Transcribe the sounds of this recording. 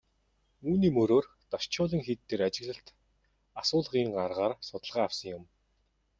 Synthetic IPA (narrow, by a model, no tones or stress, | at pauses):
uːniːmɵɾoːr | t̪aʃt͡ɕʊːɮĭŋxit̪ːeːɾat͡ɕɪ̆ɣɮə̆ɬt̪ | asʊːɮʁiːŋɢarʁaːrsʊt̪ə̆ɮʁaːwsə̆ŋjʊm